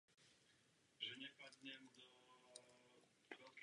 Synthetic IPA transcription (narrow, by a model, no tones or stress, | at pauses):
ʒɛɲɛpad̪ɲɛmd̪ɔ | ɾɔk